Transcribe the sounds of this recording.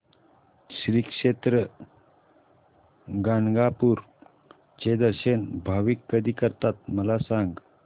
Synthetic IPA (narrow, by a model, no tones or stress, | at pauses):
sɾikʂet̪ɾə | ɡanɡapuɾ | t͡ʃed̪əɾʃənbʱaʋikːəd̪ikəɾt̪at̪̚məlasaŋɡ